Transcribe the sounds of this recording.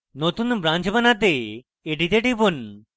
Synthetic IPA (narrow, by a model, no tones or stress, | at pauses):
not̪unbɾand͡ʑbənat̪̬eː | ʈit̪eʈibun